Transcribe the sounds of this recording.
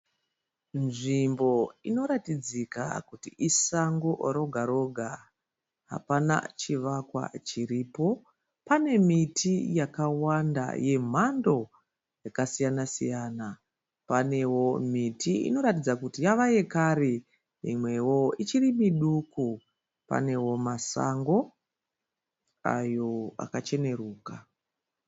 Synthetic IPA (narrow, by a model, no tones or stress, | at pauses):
nʐimbo̞ino̞ɾatid͡zika̰kutiʔisaŋɡoɾo̞ɡʱaɾo̞ɡʱa | ɦa̰pana̰t͡ʃiʋakwa̰t͡ʃiriːpo̞ | pane̞mitʰijakawanda̰je̞m̤ando̞ | jakasijanasḭjana | pane̞wo̞mitʰiḭno̞ɾatid͡zakutijaʋaje̞kaɾe | ḭmwe̞wo̞it͡ʃirimiɗuku | pa̰ne̞wo̞masa̰ŋɡo̞ | a̰jo̞a̰kat͡ʃe̞ne̞ruːka